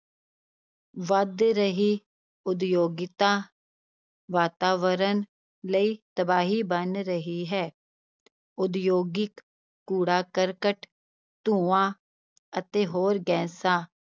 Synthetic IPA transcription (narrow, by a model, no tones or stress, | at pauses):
ʋəd̪ɾəɦiː | ʊd̪joːɡɪt̪ãː | ʋaːt̪aːʋəɾən | ləiːt̪əbaːɦiːbənɾəɦiːɦɛː | ʊd̪joːɡɪkː | uːɽaːkəɾkəʈ | t̪ũːãː | ət̪eːɦoːɾɡɛ̃ːsaː